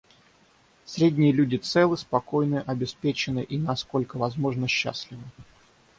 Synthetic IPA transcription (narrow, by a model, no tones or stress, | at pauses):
sɾʲedʲnʲɪjəlʲudʲɪt̪sɛlˠɨspɐko̞jnɨʔɐbʲɪspʲet͡ɕɪnɨʔinɐsko̞lʲkəvɐzmo̞ʐnəɕːa̰sʲlʲɪvɨ